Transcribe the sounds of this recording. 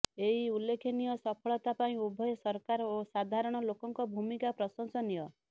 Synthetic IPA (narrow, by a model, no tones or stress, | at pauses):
eɦiulːekʰenijɔsɔpʰɔɭɔt̪apaĩubʱɔjɔsɔɾkaɾosad̪ʱaɾɔɽ̃ɔlokɔŋkɔbʱumikapɾɔsɔŋsɔnijɔ